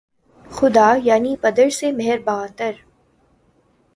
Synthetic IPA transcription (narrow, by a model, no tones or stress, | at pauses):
xʊd̪aːjaːnipɐd̪əɾsemɛɦɛɾbaːt̪əɾ